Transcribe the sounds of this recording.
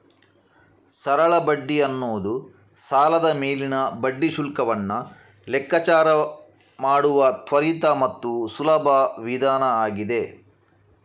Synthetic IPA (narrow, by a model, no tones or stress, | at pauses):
sɐɾɐɭɐbɐɖːiɐnːoːd̪u | saːlɐd̪ɐmeːlinɐbɐɖːiʃulkɐʋɐnːɐ | lɛkːɐt͡ʃaːɾɐ | maːɽuʋɐt̪ʋɐɾit̪ɐmɐt̪ːusulɐbʱɐʋid̪ʱaːnɐaːɡid̪e̞